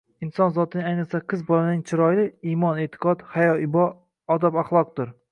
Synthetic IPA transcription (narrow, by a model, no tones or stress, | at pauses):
ɪnsɒnzɒt̪ʰɪnɪŋajnɨqsaqʰɨzbɒlanɪŋt͡ʃʰɪɾɒjlɪimɒne̞t̪ʰɪ̥qɒt̪hajɒɪbɒː | d̪abaχlˠɒq̚d̪ʊɾ